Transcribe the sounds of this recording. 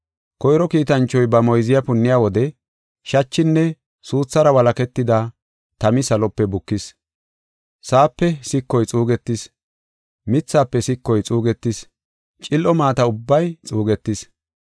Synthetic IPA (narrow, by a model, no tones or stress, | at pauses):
kɔjɾɔkiːt̪ɐnt͡ʃːɔjbɐmɔjzɪjɐpʊnːɪjaːwɔd̪ɛ | ʃɐt͡ʃːɪnːɛ | suːt͡sːɐɾɐwɐlɐkɛt̪ːɪd̪a | t̪ɐmɪsɐlɔpːɛbʊkːɪs | saːpːɛsɪkːɔjt͡sʼuːɡɛt̪ːɪs | mɪt͡sːaːpːɛsɪkːɔjt͡sʼuːɡɛt̪ːɪs | t͡ʃʼɪlʔɔmaːt̪ɐʊbːɐjt͡sʼuːɡɛt̪ːɪs